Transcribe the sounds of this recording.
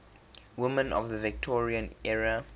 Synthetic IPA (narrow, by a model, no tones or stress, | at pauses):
wɪmə̃nɔ̰vðəvɪk̚tʰɔɹiə̃nɛɹə